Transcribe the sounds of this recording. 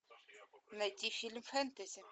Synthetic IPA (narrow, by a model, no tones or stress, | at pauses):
nɐdʲifilmfænt̪ɐzʲi